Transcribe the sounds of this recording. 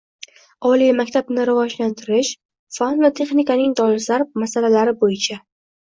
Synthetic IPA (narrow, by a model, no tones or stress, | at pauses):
ɒlijmakʲt̪ʰabnɪɾɪvɒd͡ʒlant̪ʰɪɾɪʃ | fanvat̪ʰe̞χnikanɪŋd̪ɒɪɾslaɾmasalalaɾɪbojɪt͡ʃʰa